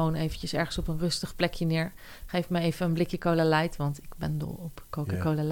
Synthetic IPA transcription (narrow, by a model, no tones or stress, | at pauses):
ownejvəncəsɛɹχənsɔpənrɵstəχplɛkʰjənɪːɹ | χejfməejvəənblɪkjəkowlalɛjtʋɑntɪkbɛndɔ̰lˠɔpkowkəkoləl